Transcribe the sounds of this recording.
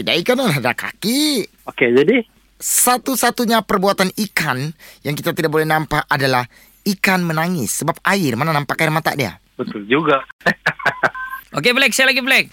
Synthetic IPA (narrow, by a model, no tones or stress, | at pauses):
idaikananɦadaka̰ki | oked͡ʒadi | sat̪usat̪uɲapərbuat̪anikanjaŋkit̪at̪idaʔ̚bolɛhnampaadalah | ikanmənaŋɪsːəbap̚aɪrmananampakaɪirmat̪a̰ʔdia̰ | bət̪ʊld͡ʒuɡa | ʔokeblɛk̚sajalaɡiblɛk̚